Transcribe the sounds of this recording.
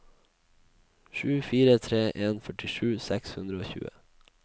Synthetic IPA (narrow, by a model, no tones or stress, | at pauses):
ʃʉːfiːɾət̪ʰɾeːʔeːnfœʈɪʃʉːsɛkshʉnɾəoːçʉ̰ːə̰